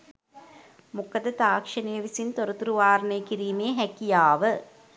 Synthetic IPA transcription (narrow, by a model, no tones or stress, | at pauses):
mukɐd̪ɐt̪aːkʂɐneːʋisint̪oɾut̪uɾuʋaːɾnɐjkiɾiːmejɦɛkijaːʋə